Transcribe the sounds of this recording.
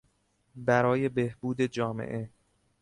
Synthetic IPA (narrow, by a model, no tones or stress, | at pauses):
bæɾɒːje̞behbuːd̪e̞d͡ʒɒːmḛʔe̞